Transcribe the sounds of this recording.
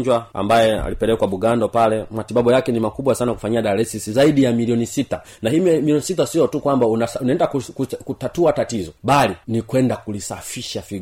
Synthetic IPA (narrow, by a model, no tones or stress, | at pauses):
ɲd͡ʒwaa̰mbajɛa̰lipɛlɛkwaɓuɡandɔpalɛmatibabujakɛnimakubwasanakufaɲiaɗalɛsisizaiɗijamiliɔnisita | nahiːmiliɔnisit̬asijɔtukwambaunaunaɛndakukkutatuatatizɔbalinikwɛndakulisafiʃafi